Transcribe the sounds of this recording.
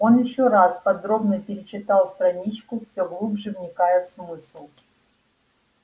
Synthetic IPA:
o̞njɪɕːoɾaspɐd̪ɾo̞bnəpʲɪɾʲɪt͡ɕɪt̪alˠst̪ɾɐnʲit͡ɕkʊfsʲoɡlˠubʐɨvnʲɪkajəfsmɨslˠ

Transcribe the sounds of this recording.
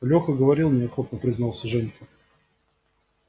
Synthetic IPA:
lʲoxəɡəvɐɾʲilˠmnʲɪɐxo̞t̪̚nəpɾʲɪznɑlˠsʲəʐɛnʲkə

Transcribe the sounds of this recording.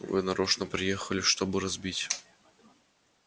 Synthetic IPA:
vɨ̰nɐɾoʂnəpɾʲɪjexəlʲɪʂt̪o̞bɨɾɐzbʲitʲ

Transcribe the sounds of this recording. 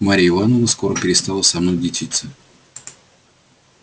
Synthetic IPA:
maɾʲɪɪvanonəskoɾəpʲɪɾʲɪst̪alˠəsɐmnojd̪ʲɪt͡ɕʲit̪sɨ

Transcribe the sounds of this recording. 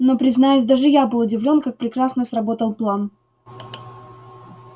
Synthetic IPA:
no̞pɾʲɪznajʊsʲd̪aʐɨjabɨlˠʊdʲɪvlʲo̞nkak̚pɾʲɪkɾasnəsrɐbo̞t̪əlˠplˠan

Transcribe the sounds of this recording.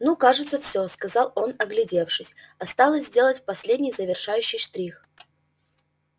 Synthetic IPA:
nukaʐɨt̪səfsʲɵskɐzɑlˠo̞nɐɡlʲɪdʲe̞fʂɨsʲ | ɐst̪alˠəzʲzʲdʲe̞lˠətʲpɐsʲlʲedʲnʲɪjzəvʲɪrʂajʉɕːɪjʂt̪ɾʲix

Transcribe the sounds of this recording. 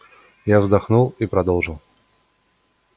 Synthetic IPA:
javzd̪ɐxnulˠipɾɐd̪olˠʐɨlˠ

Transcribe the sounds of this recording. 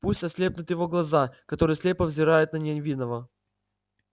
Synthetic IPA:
pusʲt̪ʲɐsʲlʲe̞p̚nʲʊt̪jɪvo̞ɡlˠɐzakɐt̪o̞ɾɨjsʲlʲe̞pəvzʲɪɾajʊt̪nənʲɪnʲvʲinəvə

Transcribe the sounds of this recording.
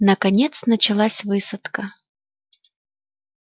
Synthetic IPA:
nəkɐnʲet̪snət͡ɕɪlˠasʲvɨsət̪kə

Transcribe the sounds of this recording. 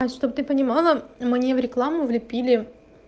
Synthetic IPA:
sʂt̪obət̪ɨpənʲɪmɑlˠəmnʲevɾʲɪklˠamʊvlʲɪpʲilʲɪ

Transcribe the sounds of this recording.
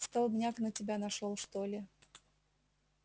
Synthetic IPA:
st̪alˠbnʲaknətʲɪbʲanɐʂolˠʂt̪olʲɪ

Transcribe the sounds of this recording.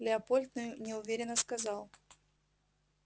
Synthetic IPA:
lʲɪɐpolʲt̪nɨjʊnʲɪʊvʲeɾʲɪnːəskɐzɑlˠ

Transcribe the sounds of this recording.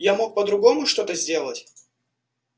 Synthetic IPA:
jamo̞k̚pəd̪ɾʊɡo̞mʊʂt̪o̞t̪əzʲdʲe̞lˠətʲ

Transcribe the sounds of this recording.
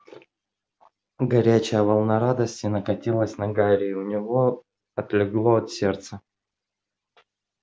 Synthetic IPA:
ɡɐɾʲæt͡ɕɪjəvəlˠnɐɾad̪əsʲtʲɪnəkɐtʲilˠəsʲnɐɡaɾʲɪʊnʲɪvo̞ | ɐt̪lʲɪɡlˠo̞ɐt̪sʲe̞rt̪sə

